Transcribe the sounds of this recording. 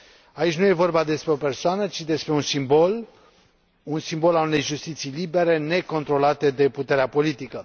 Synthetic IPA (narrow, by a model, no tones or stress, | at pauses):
ait͡ʃʲnuje̞vo̞rbad̪e̞spɾe̞o̞pe̞rsoanət͡ʃid̪e̞spɾe̞unsimbol | unsimbo̞lalune̞jʒust̪it̪sijlibe̞ɾe̞ne̞ko̞nt̪ɾo̞lat̪e̞d̪e̞put̪e̞ɾeapo̞lit̪ikə